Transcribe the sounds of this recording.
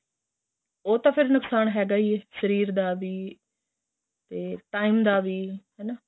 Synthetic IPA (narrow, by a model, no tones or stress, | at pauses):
oːt̪ãːpʰɪɾnʊksaːnɦɛːɡaːiːɛsəɾiːɾd̪aːʋiː | t̪eːʈaːiːmd̪aːʋiːɦɛːnaː